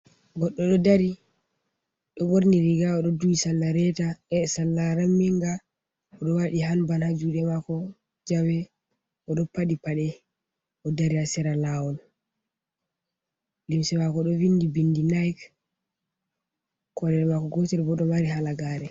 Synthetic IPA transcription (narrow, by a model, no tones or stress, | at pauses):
ɡɔɗːɔɗɔdaɾi | ɗɔboɾniɾiɡaɔɗɔdujisalːaɾɛtaɛsalːaɾamːiŋɡa | ɔɗɔwaɗiɦanbanhad͡ʒuɗɛmakɔ | d͡ʒawɛ | ʔɔɗɔpaɗipaɗɛ | ʔɔdaɾiasɛɾalawɔl | limsɛmakɔɗɔvindibindinajk | kɔɾɛɾmakɔɡɔtɛɾbɔɗɔmaɾiɦalaɡaːɾɛ